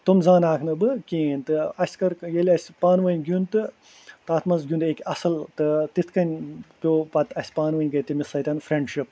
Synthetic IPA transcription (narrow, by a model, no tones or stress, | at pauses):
t̪umzaːnaːkʰnɨbɨkʲĩːenʲt̪ɨɐsʲkɐɾjelʲɐsʲpaːnʋɐnʲɡʲjunt̪ɨ | t̪aːt̪ʰmɐnzɡʲjũnd̪eːkʲɐsɨlt̪ɨt̪it̪ʰkɐnʲpʲjoːpɐt̪ʰɐsʲpaːnʋɐnʲɡɐt̪ɨmisɐt̪ʲɐnfɾeɳɖʃip̚